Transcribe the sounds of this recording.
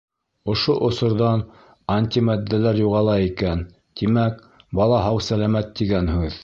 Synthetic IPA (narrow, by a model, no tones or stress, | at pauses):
ŏʃoʔŏsŏɾðɑn | ɐnʲt̪ʲimæd̪ːælæɾjuʁɑlˠɑikæn | t̪imæk | bɑlˠɑɦɑwsælæmæt̪ːiɡænhʉð